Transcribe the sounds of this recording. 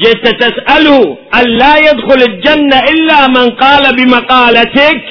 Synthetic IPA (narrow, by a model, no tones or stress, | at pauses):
d͡ʒɪt̪at̪asʔalhʊʔanlaːjad̪xʊlald͡ʒanːaʔɪlːaːmɪnqɑːlabɪmɑqɑːlat̪ɪk